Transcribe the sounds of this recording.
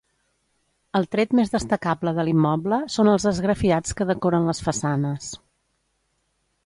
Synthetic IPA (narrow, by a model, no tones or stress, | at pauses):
əlˠt̪ɾet̪mezðəst̪əkabləðəlimːɔbləsonəlˠzðəzɣɾəfiat͡skəðəkɔɾənləsfəsanəs